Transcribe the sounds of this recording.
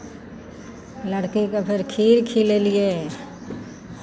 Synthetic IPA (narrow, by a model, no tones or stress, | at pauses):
ləɽkikapʰɪɾkʰiːɾkʰilelije